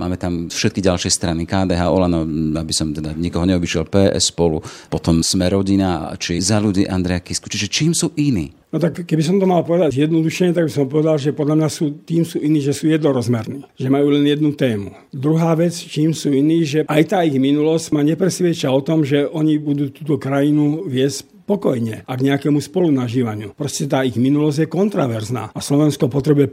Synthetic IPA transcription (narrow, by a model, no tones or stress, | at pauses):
ma̰ːmɛt̪amfʃɛt̪̚kiɟalʃɪɛst̪ɾanikaːd̪ɛɦaːɔlanɔabisɔmt̪ɛd̪aɲikɔɦɔɲɛɔbiʃɪɛlpɛːʔɛ̰sːpɔlupɔt̪ɔmsmɛɾɔɟina̰t͡ʃiɛzaluɟiːʔand̪ɾɛjakisku̥t͡ʃiʒɛt͡ʃiːmsuːʔinḭː | nɔt̪akːɛbis̬ɔmt̪ɔmalpɔʋɛd̪aɟjɛd̪nɔd̪uʃɛɲɛt̪aɡbisɔmpɔʋɛd̪alʒɛpɔd̪ʎamɲasuːt̪iːmsuːʔiniːʒɛsuːjɛd̪nɔɾɔzmɛɾniːʒɛmajuːlɛnjɛd̪nut̪ɛːmṵ | d̪ɾuɦaːʋɛt͡st͡ʃiːmsuːiniːʒɛʔajt̪aːiɣminulɔscmaɲɛpɾɛsʋɪɛt͡ʃaɔt̪ɔmʒɛʔɔɲibud̪uːt̪uːt̪ɔkɾajinuʋɪɛsc | pɔkɔjɲɛaɡɲɛakɛmuspɔlunaʒiːʋaɲɪṵpɾɔscɛt̪aːiɣminulɔzɟjɛkɔnt̪ɾaʋɛɾzna̰ːaslɔʋɛnskɔpɔt̪ɾɛbujɛ